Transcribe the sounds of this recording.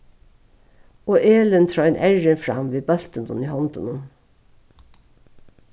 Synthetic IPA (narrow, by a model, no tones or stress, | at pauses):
oːʔeːlənt̪ʰɾɑːɛnʔæɹənfɹɑ̰mʋeːbœlt̪ənd̪ɔniːhɔnd̪ʊnən